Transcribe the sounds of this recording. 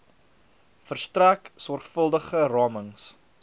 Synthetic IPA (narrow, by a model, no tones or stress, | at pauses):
fərstræksɔrχfəlˠdəχərɑːməŋs